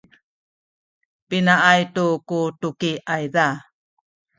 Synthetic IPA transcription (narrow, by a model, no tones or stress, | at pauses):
pinaʔajtukutukiajda